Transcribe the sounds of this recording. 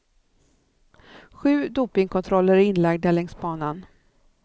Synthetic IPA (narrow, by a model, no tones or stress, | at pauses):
ɧʉ̟ːd̪uːpɪŋkʰɔnt̪ʰɾɔlːəɾɪnlaɡd̪æɭɛŋsbɑːnan